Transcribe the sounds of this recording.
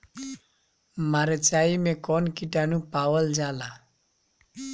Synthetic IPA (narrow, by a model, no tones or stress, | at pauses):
maɾət͡ʃaimekɔnkiʈanupawəld͡ʒala